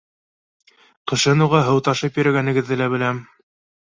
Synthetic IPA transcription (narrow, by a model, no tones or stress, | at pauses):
qɤ̆ʃɤnuʁɑɦɤ̆wt̪ɑʃɤpjɵ̆ɾæɡænɘ̆ɡɘ̆ðːɘlæbɘ̆læm